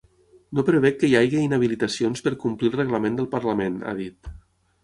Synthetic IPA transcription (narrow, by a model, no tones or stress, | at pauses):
nopɾəβ̞ɛkːəjajɣiinəβ̞ilit̪əsionspəɾkumplilˠrəɣləmend̪əlˠpəɾləmena̰ðit̪